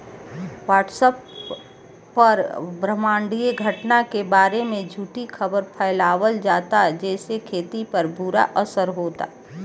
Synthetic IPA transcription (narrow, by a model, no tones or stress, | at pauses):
ʋaːʈsəpː | ɐɾbɾəmãːɳɖieɡʱəʈnakebaːɾemẽd͡ʒʱuːʈikʰəbəɾpʰəːɪlaːʋəld͡ʒaːt̪ad͡ʒɛːsekʰeːt̪ipəɾbuɾa̰ʔəsəɾɦoːt̪a̰ː